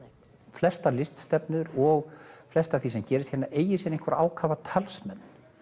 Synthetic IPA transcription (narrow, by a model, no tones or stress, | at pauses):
flɛst̪alɪst̪st̪ɛpnʏɾɔɣflɛst̪aθisɛmcɛːɾɪst̪çɛnːaʔeːjɪsjɛneŋkʰvaɾa̰ːwkʰaːvat̪ʰalsmɛnː